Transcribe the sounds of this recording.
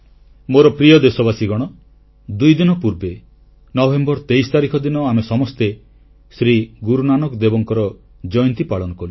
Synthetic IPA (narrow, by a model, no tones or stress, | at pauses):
moɾɔpɾijɔd̪esɔbasiɡɔɽ̃ɔ | d̪ujd̪inɔpuɾbe | nɔbʱembɔɾt̪ejst̪aɾikʰɔd̪inɔamesɔmɔst̪e | sɾiɡuɾunanɔkd̪ebɔŋkɔɾɔ | d͡ʒɔjɔnt̪ipaɭɔnɔkɔlu